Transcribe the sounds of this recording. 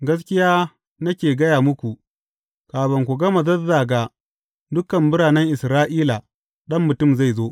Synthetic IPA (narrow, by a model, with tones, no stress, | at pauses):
ɡɐ˦s̬kʲɪ˦jaː˦ | nɐ˦kʲeː˨ɡɐ˦jaː˨mʊ˦kʷu˨ | kaː˨bɐ˨ŋkʷu˨ɡɐ˦ma˨zɐ˦zaː˨ɡa˨ | dʊ˦kɐ˨mbʊ˦ɽaː˨nɛ˦ŋʔɪ˨sɾaː˦ʔiː˦la˨ | ɗɐ˦mːʊ˨tʊ˦˨mza˦˨jzoː˦ʔ